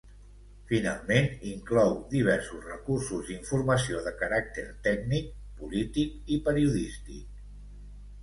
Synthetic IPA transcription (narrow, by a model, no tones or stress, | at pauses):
fina̰lˠmeniŋklɔwd̪iβ̞ɛɾsusrəkursuziɱfurməsioðəkəɾak̚t̪əɾt̪ɛɡnik̚pulit̪ikipəɾiuðist̪ḭk̚